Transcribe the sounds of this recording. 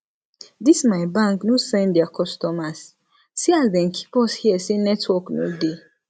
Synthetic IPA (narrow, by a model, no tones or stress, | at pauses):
dismajbãŋknosɛ̃nddɛakʰɔstɔmasː | iazdɛ̃nkʰi̥pɔshiəsenɛtʰwɔkno̰de